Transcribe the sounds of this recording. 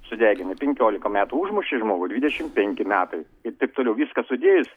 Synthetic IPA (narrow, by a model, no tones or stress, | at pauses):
sʊd̪ʲæːɡʲɪnʲɪpʲɛŋʲkʲoːlʲɪkɐmʲæːt̪uːuːʒmʊʃʲɪʒmoːɡʊdʲʋʲiːd̪ʲɛʃʲɪmpʲɛŋʲkʲɪmʲæːt̪ɐɪ | ɪɾt̪ɐɪpt̪oːlʲɛʊʋʲiːskɐsʊd̪ʲeːjʊs